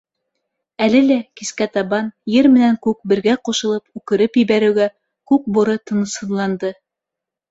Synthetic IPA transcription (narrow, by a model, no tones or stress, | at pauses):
ælɘlækiskæt̪ɑβɑnjɘɾmɘ̆næŋkʉk̚bɘ̆ɾɡæquʃɤ̆lˠɤpʉkɘ̆ɾɘpjɘ̆βæɾɘ̆wɡæ | kʉk̚bŏɾɤt̪ɤ̆nɤ̆shɤ̆ðlˠɑnd̪ɤ